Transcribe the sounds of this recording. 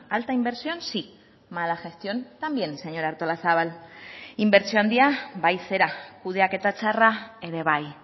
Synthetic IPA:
alt̪aimbe̞ɾsio̞nsi | malaʝe̞st̪jo̞nt̪ambje̞nse̞ɲo̞ɾaɾt̪o̞lasaβ̞alimbe̞ɾsioand̪iaβajse̞ɾakuð̞e̞ake̞t̪at͡ʃaraeðe̞β̞aj

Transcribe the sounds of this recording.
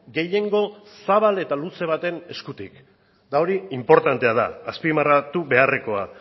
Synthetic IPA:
ɡe̞je̞ŋɡo̞saβ̞ale̞t̪aluse̞β̞at̪e̞ne̞skut̪ik | d̪ao̞ɾiimpo̞ɾt̪ant̪e̞að̞a̰ːspimarat̪uβe̞are̞ko̞a

